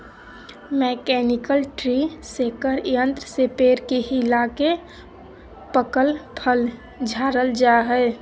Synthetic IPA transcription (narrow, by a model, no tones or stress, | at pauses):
mɛːkɛːnɪkəlʈɾisekəɾjə̃nt̪ɾəsepeːɾkeɦɪlake | pəkəlpʰəl | d͡ʒʱaːɾəld͡ʒaɦɛː